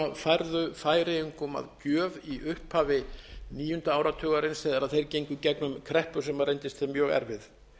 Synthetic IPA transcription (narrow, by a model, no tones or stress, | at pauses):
afajɾðʏfaːjɾɪʏŋkʊma̰ðcœːviʔʏhphaːvɪniːjʏnt̪aaːwɾat̪ʰœːɣaɾɪnsɛðaɾaðθejɾcejɲŋkʏcɛknʏmkʰɾɛhpʏ̥sɛmarejnt̪ɪst̪θɪmjœːɣɛ̰ɾvɪð